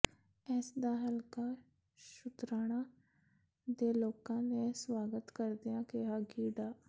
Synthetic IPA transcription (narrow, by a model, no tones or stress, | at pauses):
ɛːsd̪aɦəlkaː | ʃʊt̪ɾaːɽ̃ã | d̪eːloːkãnẽswaːɡət̪kəɾd̪ijãkeɦaːɡiːɖaː